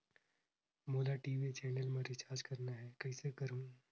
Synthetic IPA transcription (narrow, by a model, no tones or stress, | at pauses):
moːlaʈiːʋit͡ʃɛːnəlmẽɾɪt͡ʃaːɾd͡ʒkɐɾnaɦɛːkɐɦisekɐɾũː